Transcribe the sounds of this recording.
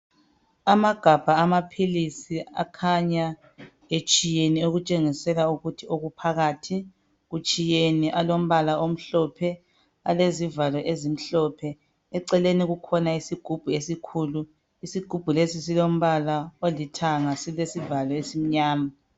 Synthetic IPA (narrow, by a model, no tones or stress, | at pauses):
amaɡ̥ʱab̥ʱaːmapʰilisia̰kʰaɲa | et͡ʃʼijenioɣut͡ʃʼeŋisɛlauɣutʰioɣupʰaɣaːtʰi | ɣut͡ʃʼijeniʔalom̩βalaom̩ɬɔpʰɛ | alezivalɔʔezim̩ɬɔpʰɛ | ɛǀɛleniɣukʰɔnaisiɡ̥ʱub̥ʱuesikʰuːlu | isiɡ̥ʱub̥ʱulesisilom̩βalaolitʰaŋasilesivalɔesim̩ɲaːma